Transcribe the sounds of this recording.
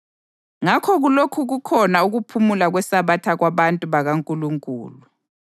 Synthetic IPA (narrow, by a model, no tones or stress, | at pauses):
ŋakʰɔɣulokʰuɣukʰɔnauɣupʰumulaɣwɛsaβatʰaɣwaβantʼuβaɣaŋkʼuluŋkʼṵːlu